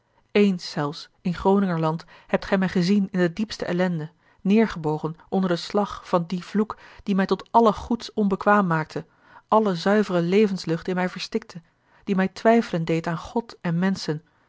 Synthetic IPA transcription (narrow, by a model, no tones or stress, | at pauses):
ejnsːɛlˠfs | ɪnχrownɪŋəɹlɑnt | hɛp̚tχɛjmɛjχəzinɪndədipstəʔɛlɛndə | nɪːɹχəbowχənʔɔndəɹdəslɑχfɑndiv̥lukd̥imɛjtɔtɑləχutsɔnbəkʋaːmːaːk̚tʰə | ʔɑləzœɥvərəlejvənslɵχtɪnmɛjvəɹstɪk̚tʰə | d̥imɛjtʋɛjfələndejtaːnχɔtɛnmɛnsən